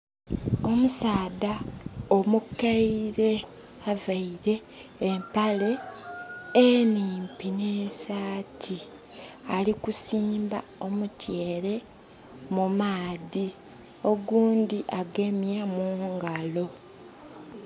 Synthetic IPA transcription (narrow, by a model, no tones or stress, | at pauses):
o̞musaːdaomukːaiɾe̞ | avaiɾe̞ː | mpale̞ː | niːmpinesaːtʰi | alikusiːmbao̞mutje̞ːɾe̞ | mumaːði | o̞ɡuːndiʔaɡe̞mjamuːŋɡalo̞